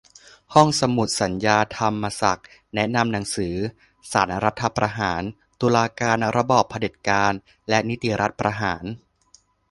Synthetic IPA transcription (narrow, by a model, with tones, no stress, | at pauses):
hɔ˥˩ŋsa˧mu˨˩t̪̚sa˩˦njaː˧t̪ʰa˧mːa˧sa̰˨˩k̚nɛ˦˥na˧mna˩˦ŋsɯː˩˦ | saː˩˦nɾa˦˥t̪ʰːa˧pɾa˧ɦaː˩˦n | t̪u˧laː˧kaː˧nɾa˧bɔː˨˩pʰːa˧de˨˩t̪̚kaː˧n | lɛ˦˥ni˦˥t̪i˨˩ɾʔa˦˥t̪̚pɾa˧ɦaː˩˦n